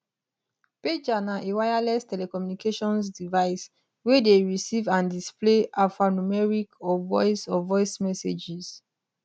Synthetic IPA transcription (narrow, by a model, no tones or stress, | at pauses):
ped͡ʒanaʔewajalɛstɛlɛkɔmjunikeʃɔ̃nsdivaɪs | wedeɹisivãndispleʔafanumɛɹikɔvɔ̰ɪsɔvɔɪsmɛsed͡ʒis